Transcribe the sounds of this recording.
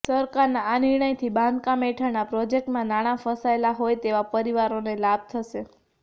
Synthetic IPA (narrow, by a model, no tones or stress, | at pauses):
səɾkaɾnaːniɾɳ̃əjt̪ʰibãnd̪kãmeʈʰəɾnapɾɔd͡ʒek̚ʈmãnaɽ̃afəsaelaɦojt̪eʋapəɾiʋaɾonelab̚t̪ʰəʃe